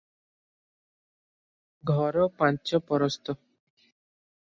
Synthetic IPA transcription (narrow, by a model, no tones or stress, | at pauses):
ɡʱɔɾɔpãnt͡ʃɔpɔɾɔst̪ɔ